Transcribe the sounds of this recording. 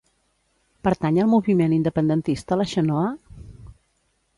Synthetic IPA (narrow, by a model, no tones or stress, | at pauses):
pəɾt̪aɲəlˠmuβimenind̪əpənd̪ənt̪ist̪ələʃənɔə